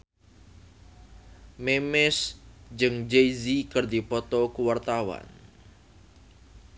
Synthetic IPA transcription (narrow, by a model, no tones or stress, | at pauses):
memɛsd͡ʒɨŋd͡ʒejzikərd̪ipɔt̪ɔkuwart̪awa̰n